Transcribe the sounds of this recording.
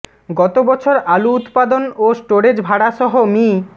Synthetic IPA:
ɡɔt̪obɔt͡ɕʰoɾaluut̪pad̪onosʈoɾed͡ʑbʱaɽaʃɔɦomi

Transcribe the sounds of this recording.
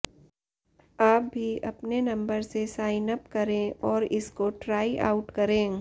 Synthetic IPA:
aːp̚bʱiʔɐpnenɐ̃mbəɾsesaːɪnəpkɐɾẽɔːɾɪskoʈɾaːiʔa̰ːʊʈkɐɾẽː

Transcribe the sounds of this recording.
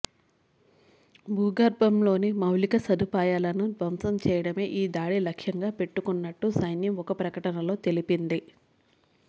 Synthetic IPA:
buːɡɐɾbɐmlo̞ːnimɐwlikɐsɐd̪upaːjaːlɐnud̪ʋɐmsɐmt͡ʃɛːjɐɽɐme̞ːʔiːd̪aːɽilɐkʂjɐŋɡaːpe̞ʈːukunːɐʈːusɐjnjɐmɔkɐpɾɐkɐʈɐnɐlo̞ːt̪e̞lipind̪i

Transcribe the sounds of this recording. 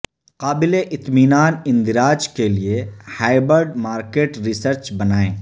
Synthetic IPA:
qaːbɪleʔɪt̪miːnaːnɪ̃nd̪ɪɾaːd͡ʒkeliehaːɪbəɾɖmaːɾkeːʈɾɪsəɾt͡ʃbɐnaːḛ̃ː

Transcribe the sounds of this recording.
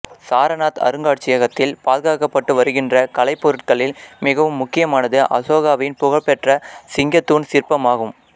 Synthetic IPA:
saːɾɐnaːt̪ɐ̰ɾɯŋɡaːʈ̚t͡ʃːɪjɐɣɐt̪ːɪlpaːðɯɣaːɣɐpːɐʈːɯʋɐɾɯɣɪndrɐkɐlɐɪpːɔɾɯʈ̚kɐɭɪlmɪɣɐʋɯmːʊkːɪjɐmaːnɐðɯʔɐ̰soːɣaːʋɐɪnpʊɣɐɭpɛʈrɐsɪŋɡɐt̪ːuːnsɪrpɐmaːɣɯm

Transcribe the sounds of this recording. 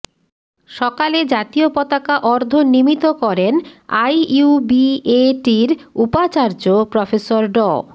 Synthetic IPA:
ʃɔkaled͡ʑat̪iopɔt̪akaʔɔɾd̪ʱonimit̪okɔɾena̰jubieʈiɾupat͡ɕaɾd͡ʑopɾɔfesoɾɖɔ̰

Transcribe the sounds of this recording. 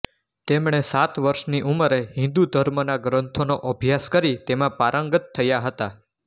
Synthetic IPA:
t̪emɳesat̪ʋəɾʃniʔuməɾeɦɪ̃nd̪ud̪ʱəɾmənaɡɾə̃nt̪ʰonoʔəbʱjaskəɾit̪emãpaɾəŋɡət̪ʰːəjaɦət̪a

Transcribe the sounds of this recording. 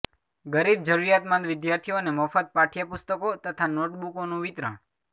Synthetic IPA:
ɡəɾib̚d͡ʒəɾuɾjat̪mãnd̪ʋɪd̪jaɾt̪ʰioneməfəd̪̚paʈʰijapʊst̪əkot̪ət̪ʰanoʈbukonũʋɪt̪ɾə̰ɳ

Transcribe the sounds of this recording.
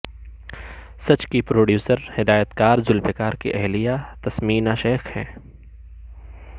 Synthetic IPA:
sɐt͡ʃkipɾoːɖjuːsəɾhɪd̪aːjət̪kaːɾzʊlfɪkaːɾkḭʔɛɦlijat̪ɐsmiːnaʃeːxhɛ̰̃ː

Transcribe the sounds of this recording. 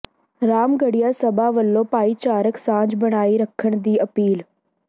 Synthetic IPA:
ɾaːmɡəɽijasɐbaʋəlːopaːit͡ʃaːɾəksãːd͡ʒbɐɽ̃aːiɾɐkʰəɽ̃d̪iːɐpiːl

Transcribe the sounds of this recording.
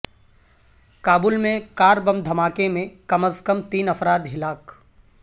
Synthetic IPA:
kaːbulmẽkaːɾbɐmd̪ʱɐmaːkemẽkɐməskəmt̪iːnɐfɾaːd̪ɦɪlaːk

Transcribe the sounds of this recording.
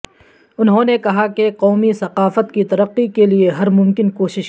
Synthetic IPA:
ʊnɦõːnekɐɦakeqɔːmisɐqaːfət̪kit̪ɐɾəqːikelieɦɐɾmʊmkɪnkoːʃɪʃ

